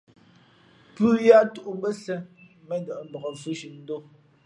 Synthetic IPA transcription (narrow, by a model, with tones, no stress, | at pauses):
pʉ˦ja˦tu˨ʔu˨bɛ˦sɛ˦ | mɛ˦dɔ˨ʔm̩˦bɔ˨ɔ˨fʉ˦ʃi˨n̩˦do˦